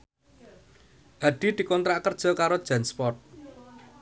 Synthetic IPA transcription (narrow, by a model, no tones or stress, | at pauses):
ʔad̥i̤d̪̥i̤kɔnt̪ɾaʔkərd̥ʒ̥ɔ̤kaɾod̥ʒ̥a̤nspɔt̪̚